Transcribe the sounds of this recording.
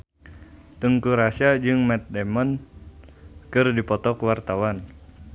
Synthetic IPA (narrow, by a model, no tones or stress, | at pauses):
t̪əŋkuɾasiad͡ʒɨŋmɛt̪̚dɛmɔn | kɨrdipɔt̪ɔkwart̪awan